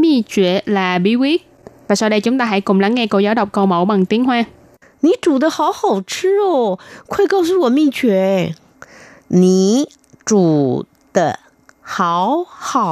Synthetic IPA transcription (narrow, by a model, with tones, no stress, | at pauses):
mi˧˩t͡ɕwḭ˧˨əlaː˨˩ɓi˨˦wi˦˥ək̚ | vaː˨˩sa˧wɗə˧jt͡ɕʊ˨˦ŋ͡mt̪aː˧ɦa̰˧˥jkʊ˨˩ŋ͡mla˨˦ŋːɛ˧ko˧zaː˨˦wɗə˨˩wk͡p̚kə˧wmo˧˦wɓa˨˩ŋt̪i˨˦əŋhwaː˧ | ni˨˩˦ʈ͡ʂu˨˩d̪ə˦xɑ˧˥ʊxɑ˨˩ʊʈ͡ʂ̩ʰ˥ɔ˨˩kʰwe˥˧ɪkɑ˥˧ʊs̬u˥˩wɔ˨˩mi˥˧t͡ɕɥɛ˧˦ | ni˨˩˦ | ʈ͡ʂu˨˩ | d̪̥ə˦ | xɑ˧˦ʊxɑ˨˩˦